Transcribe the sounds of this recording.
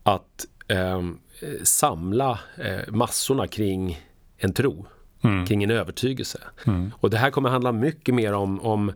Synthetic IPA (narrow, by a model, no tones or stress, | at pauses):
at̪ | samlamasːʊɳakʰɾɪŋː | ɛnt̪ʰɾuː | kʰɾɪŋːɛnøːvəʈʰyːɡəlsəɔd̪ɛɦæːɾkʰɔmːəɾɦand̪lamʏkːəmeːɾɔmɔm